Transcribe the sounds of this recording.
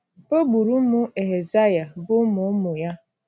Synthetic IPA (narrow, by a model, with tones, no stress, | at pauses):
o˦bu˨ɾu˦mʊ˦e˨ɦe˨za˦ja˨bʊ˦mʊ˨˦mʊ˨ja˦